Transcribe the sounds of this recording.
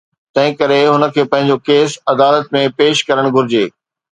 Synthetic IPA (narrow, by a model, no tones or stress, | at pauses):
t̪ɐ̃ɦɪ̃kɐɾeɦʊnə̆kʰeːpɐ̃ɦɪ̃ɲ̆d͡ʑokeːsɐd̪aːlət̪̚mẽpeːʃkɐɾəɽ̃ɡʱʊɾɪd͡ʑeː